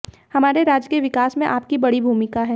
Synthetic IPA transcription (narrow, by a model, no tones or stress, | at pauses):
hɐmaːɾeɾaːd͡ʒkeʋɪkaːsmẽʔaːp̚kibɐɽibʱuːmɪkaɦɛː